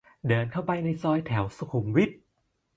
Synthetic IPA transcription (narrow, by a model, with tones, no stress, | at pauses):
dɤː˧nkʰa˥˩wpa˧jna˧jsɔː˧jt̪ʰɛ˩˦wsu˧kʰu˨˩˦mwi˦˥t̪̚